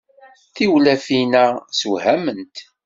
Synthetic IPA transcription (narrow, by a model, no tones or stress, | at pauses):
θiwlæfinæsuhæmənt̪